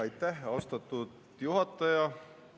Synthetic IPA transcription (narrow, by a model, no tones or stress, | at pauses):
ɑjt̪ːæɦɑost̪ɑt̪ːud̪̥ | juɦɑt̪ːˑɑjɑ